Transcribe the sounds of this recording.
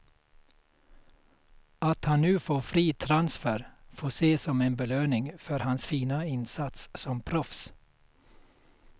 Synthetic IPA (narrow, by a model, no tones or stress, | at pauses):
ɑt̪hɑnnʉːfoːfɾiːt̪ʰɾɑnsfæɾfoːseːsɔmeːnbəløːnɪŋfœɾhɑnsfiːnɑɪnsɑt̪ssɔmpʰɾɔfs